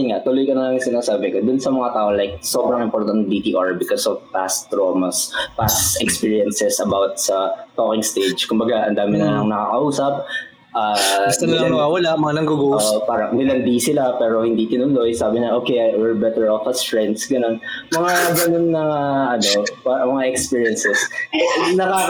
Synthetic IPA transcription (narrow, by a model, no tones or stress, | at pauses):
jɪnŋaʔt̪ʊlojkɐnɐlɐŋsɪnaːsaːbɪkod̪ʊnsɐmɐŋat̪aːʔolajk̚sobɾɐ̃ŋɪmpoɾt̪ɐnt̪̚d̪it̪iːʔaɹbɪkosɔvpast̪ɹoːmɐspasɛkspiːɹiɐnsɛsɐbawt̪̚sɐt̪oːkɪŋst̪ejd͡ʒkʊmbɐɡaʔɐ̰nd̪aːmɪnɐnnɐŋnɐkaːkɐʔuːsɐp̚ | ʔaːɐsɐnɐnɐwawɐlamɐŋanɐɡuɡuoːʔopaːɾɐnɪlɐnd̪isɪlapɛːɾohɪnd̪it̪ɪnʊnlojsaːbɪɲɐʔoːkejwɛɹbɛt̪ɛɹofɐsfɹɛnd̪sɡɐnon | mɐŋaɡɐnonːɐaʔɐnopaɾɐmɐŋaʔɛkspiɹjɐnsɛs | nɐka